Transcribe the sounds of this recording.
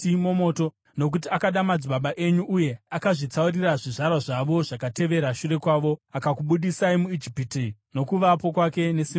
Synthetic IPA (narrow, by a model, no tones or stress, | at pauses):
imo̞mo̞ːto̞ | no̞k̬ut̬iakaɗamad͡ziɓaɓaʔe̞ɲuʔːje̞akaʐit͡sauriraʐiʐarwaʐaʋo̞ʐ̥akate̞ʋe̞ɾaʃure̞kwaːʋo̞akakuɓuɗisaimuid͡ʒipitino̞kuʋapo̞kwake̞ne̞sim